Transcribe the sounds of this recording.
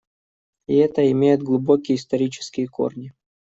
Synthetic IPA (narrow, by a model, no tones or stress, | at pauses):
iɛt̪əɪmʲejɪd̪̚ɡlˠʊbo̞kʲɪjɪst̪ɐɾʲit͡ɕɪ̥skʲɪjəko̰rnʲɪ